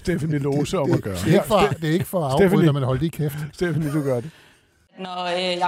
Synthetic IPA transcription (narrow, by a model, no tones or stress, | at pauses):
sd̥efænilo̝ːsəɒ̽mɒɡ̥ɶːɐ̥ee̥d̥e̝æɐe̝ɡ̥əfɒ̽ɑ̈ʊ̥efðˠæmænɦɒ̽l̰d̥ikʰefsd̥efnid̥uɡ̥ɶɐde | nɔj